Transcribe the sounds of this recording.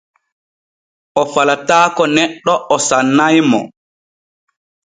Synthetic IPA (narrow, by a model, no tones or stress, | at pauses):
ʔɔfalataːkɔnɛɗːɔʔɔsanːajmɔ̰